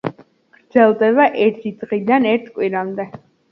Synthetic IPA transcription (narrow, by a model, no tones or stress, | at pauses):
ɡ̥ɾd̪zɛlˠd̪ɛβaʔɛɾt̪ʰid̪ʁid̪anɛɾt̪ʰkʼwiɾamd̪ɛ